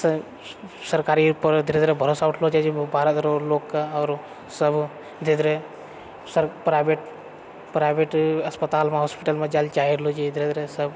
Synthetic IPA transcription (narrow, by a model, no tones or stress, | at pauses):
s | sɐɾkaːɾiupəɾd̪ʱiɾed̪ɾebʱɐɾoːsaːuʈʰlod͡ʒad͡ʒibʱaːɾət̪ɾoloːkːaɔːɾ | sɐb | d̪ed̪ɾe | sɐɾpɾaːbeʈ | pɾaːjbeʈɐspət̪aːlmãɦoːspiʈəlmãd͡ʒaːlt͡ʃaːɦiɾlod͡ʒad̪ʱiɾed̪ɾesɐb